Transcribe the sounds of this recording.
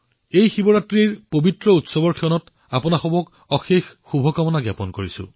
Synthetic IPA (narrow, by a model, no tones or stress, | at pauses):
ejxibɔɹatɹiɹpobitɹɔutsɔbɔɹkʰiɔnɔt | apʊnaxɔbɔk | ɔxexːubʱɔkamɔnaɡjapɔnkoɹisʊ̰̃